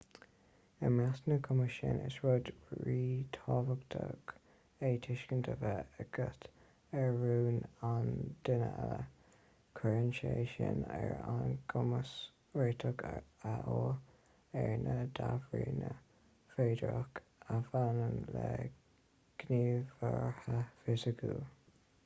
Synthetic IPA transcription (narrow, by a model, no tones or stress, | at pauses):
əmɹasnəkʰʊməʃɪnɪ̰sɹʊdɹiːt̪ʰɔːvəɡtʰəɡ̥ | eːt̪ʰɪʃkəntʰəvəəɡət̪ | ɛɹːuːnand̥ɪnəɛlə | kʰəɹənʃeːʃɪnɛɹanɡʊməs | ɹeːtʰəɡaʔoː | ɛɹnʔəd̪avɹiːnə | feːdɹɔk | afanəmlɛ | ɡ̥niːvəɹhəfɪsəɡuː